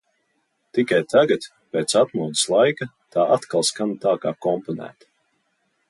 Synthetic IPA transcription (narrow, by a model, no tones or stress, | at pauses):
t̪ikajt̪ʰaɡat̪ | peːt̪sat̪muɔd̪i̥slˠajka | t̪aːʔat̪kalˠskant̪aːkaːkɔmpɔnæ̰ːt̪